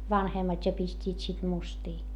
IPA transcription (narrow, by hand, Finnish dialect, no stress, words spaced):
ʋɑnhemːɑtʲ jɑ pistʲiːt sit mustiː